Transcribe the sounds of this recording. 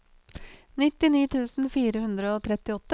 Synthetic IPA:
nɪt̪ɪniːt̪ʰʉːsn̩fiːɾəhʉnd̪ɾəoːt̪ʰɾɛt̪ɪɔt̪ːə

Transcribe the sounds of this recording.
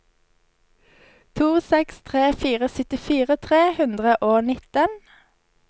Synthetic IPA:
t̪ʰuːsɛkst̪ʰʁeːfiːʁəsœt̪ɪfiːʁət̪ʰʁeːhʉnd̪ʁəʔoːnɪt̪ən

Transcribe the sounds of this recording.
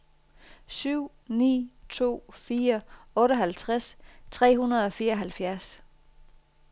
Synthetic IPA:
syʊ̰ | nḭːt͡sʰo̝̰ːfiːɐɔ̽ːɾɒɦælt͡sʰʁast͡sʰʁɛ̰ːɦunɐð̞ˠɒ̽fiːɐɒ̽ɦælfjæɐs

